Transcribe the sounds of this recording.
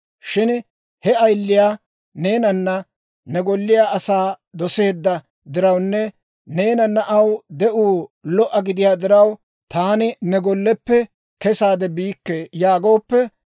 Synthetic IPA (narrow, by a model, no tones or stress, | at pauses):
ʃɪn | hɛɐjlːɪjaː | ne̞ːnɐnːɐ | nɛɡɔlːɪjaːʔɐsaːd̪ɔse̞ːd̪ːɐ | d̪ɪɾɐwnːɛ | ne̞ːnɐnːɐʔɐwd̪ɛʔuːlɔʔːɐɡɪd̪ɪjaːd̪ɪɾɐw | t̪aːnɪnɛɡɔlːɛpːɛ | kɛsaːd̪ɛbiːkːejaːɡo̞ːpːɛ